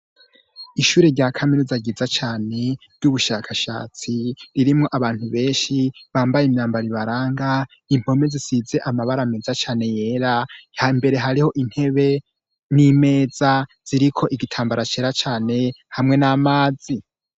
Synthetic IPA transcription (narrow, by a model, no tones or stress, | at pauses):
iʃuːɾeɾɟaːkʰaminuzaɡizat͡ʃaːne̞bɟuβuʃaːkʰaʃa̰ːt͡siɾiɾimŋo̞ʔaβaːn̥huβe̞ːnʃiβaːmbajemɲaːmbaɾiβaɾaːŋɡa | im̥o̞mezisize̞ʔamaβaɾame̞ːzat͡ʃaːne̞je̞ːɾahambe̞ɾe̞ɦaɾiho̞ʔin̥he̞βe̞ | nime̞ːza | z̥iɾikʰo̞ʔiɡitʰaːmbaɾat͡ʃeːɾat͡ʃaːne̞hamŋe̞namaːzi